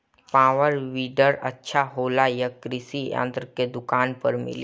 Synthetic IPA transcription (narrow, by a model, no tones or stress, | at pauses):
paːʋəɾʋiːɖəɾətːʃʰaɦoːlajəkɾisijã̰ːnt̪ɾəked̪ʊkaːnpəɾmɪ̰l